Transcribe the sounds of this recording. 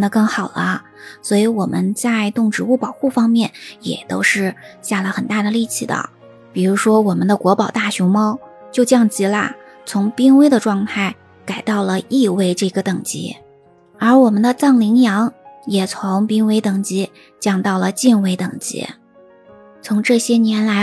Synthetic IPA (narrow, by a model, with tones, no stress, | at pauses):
nd̪ə˩kɤ˥˩ŋxɑ˨˩ʊlə̰˦ | swɔ˧˥i˧˥wɔ˨˩mʔə˦nt͡sa˥˧ɪt̪ʊ˥˩ŋʈ͡ʂɻ̩˧˥u˥˩pɑ˨˩ʊxu˥˩fɑ˥ŋmjɛ˥˩njɛ̰˨˩t̪o̰˥ʊʂɻ̩˥˧ɕja˥˩lə˩xə˨˩nt̪a˥˩d̪ə˩li˥˩t͡ɕʰḭ˨˩d̪ə̰˩ | pi˨˩ɻu˧˥ʂwɔ˥wɔ˨˩mə˦nd̪ə˧kwɔ˧˥pɑ˨˩ʊt̪a˥˩ɕʊ˧˥ŋmɑ˥ʊt͡ɕjo˥˧ʊt͡ɕjɑ˥˩ŋt͡ɕi˧˥lə̰˧ | t͡sʰʊ˧˥ŋpi˥ŋwe˥ɪd̪ə˨˧ʈ͡ʂwɑ˥˧ŋt̪ʰa˥˩ɪ | ka˨˩ɪt̪ɑ˥˩ʊlə˩i˥˧we˥˧ɪʈ͡ʂɤ˥˩ɡə˩t̪ɤ˨˩ŋt͡ɕḭ˧˥ | ə˞˧˥wɔ˨˩mə˦nd̪ə˧t͡sɑ˥˩ŋli˧˥ŋjɑ˧˥ŋjɛ˨˩t͡sʰʊ˧˥ŋpi˥ŋwe˥ɪt̪ɤ˨˩ŋt͡ɕi˧˥ | t͡ɕjɑ˨˩ŋt̪ɑ˥˩ʊlə˩t͡ɕi˥˧nwe˧˥ɪt̪ɤ˨˩ŋt͡ɕḭ˧˥ | t͡sʰʊ˧˥ŋʈ͡ʂɤ˥˩ɕjɛ˥njɛ˧˥nla˧˥